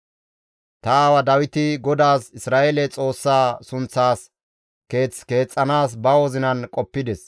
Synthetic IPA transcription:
t̪ɐwɐd̪ɐwɪt̪ɪɡɔd̪aːsɪsɾaːʔɛlɛt͡sʼo̞ːsːaːsʊnt͡sːaːs | ke̞ːt͡ske̞ːt͡sʼːɐnaːs̬bɐwɔzɪnɐnkʼɔpːɪd̪ɛs

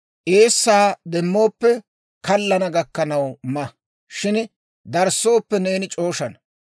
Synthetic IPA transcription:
ʔeːsːaːd̪ɛmːo̞ːpːɛ | kɐlːɐnɐɡɐkːɐnɐwmɐ | ʃɪn | d̪ɐɾsːo̞ːpːɛne̞ːnɪt͡ʃʼo̞ːʃɐnɐ

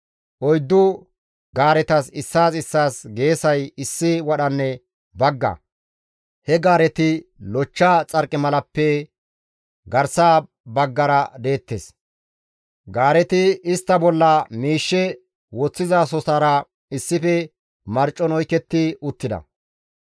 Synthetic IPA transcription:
ʔɔjd̪ːʊ | ɡaːɾɛt̪ɐsɪsːaːsɪsːaːsɡe̞ːsɐjɪsːɪwɐɗɐnːɛ | bɐɡːɐ̰ | hɛɡaːɾɛt̪ɪlɔt͡ʃːat͡sʼɐɾkʼːɪmɐlɐpːɛ | ɡɐɾsaː | bɐɡːɐɾɐd̪e̞ːt̪ːes | ɡaːɾɛt̪ɪɪst̪ːɐbɔlːɐmiːʃːɛ | wɔt͡sːɪzaːs̬ɔsaːɾɐ | ɪsːɪfɛ | mɐɾt͡ʃʼːɔnɔjkɛt̪ːɪʊt̪ːɪd̪ɐ̰

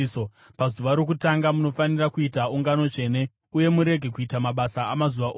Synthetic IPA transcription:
o | pazuʋaɾo̞k̬utaŋɡamuno̞fanirakuitauŋɡano̞t͡ʃe̞ːne̞ | uje̞muɾe̞ɡʱe̞kuitamaɓasaːmazuʋaʔoː

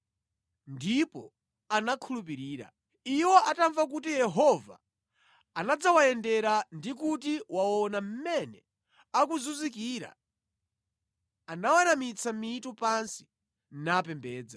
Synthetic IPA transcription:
ndipɔ | anakʰulup̬iɾiːɾa̰ | iwɔʔataɱvak̬utijɛɦɔva̰ | anad͡zawajɛndɛɾandikutiwawɔnam̩mɛnɛ | akuzuzikiːɾa̰ | anawanamit͡sʰamitɔpansi̥ | napɛmbɛːd͡za

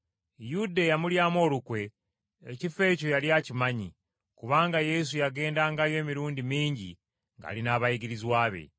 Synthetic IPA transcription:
judejamuljaːmo̞ːlukwe̞ː | cife̞ːco̞jaljacimaɲi | kuβaːŋɡaje̞s̬ujaɡe̞ːndaŋɡajo̞ːmiɾuːndimiːɲɟḭ | ŋɡa̰ːlinaːβajiɡiɾizwaːβe̞̰

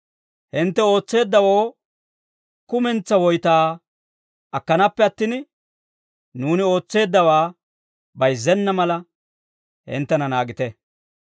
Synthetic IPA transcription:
hɪnt̪ːɛo̞ːt͡sːe̞ːd̪ːɐwoː | kʊmɛnt͡sːɐwɔjt̪aː | ʔɐkːɐnɐpːɛɐt̪ːɪn | nuːnɪo̞ːt͡sːe̞ːd̪ːɐwaː | bɐjzɛnːɐmɐlɐ | hɪ̰nt̪ːɛnɐnaːɡɪt̪ɛ

